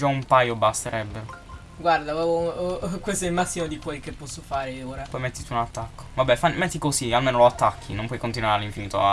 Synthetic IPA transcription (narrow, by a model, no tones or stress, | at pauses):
d͡ʒaumpajobast̪eɾʔɛbːe | ɡward̪aɔ | kwest̪oɛlmasːimod̪ikwelkepːɔsːofaːɾeoːɾapɔjmɛt̪ːit̪uunat̪ːakːo̥vabːɛfanmɛt̪ːikozialmeːnoloat̪ːakʰːinompwɔjkont̪̬inwaɾealiɱfiniːt̪o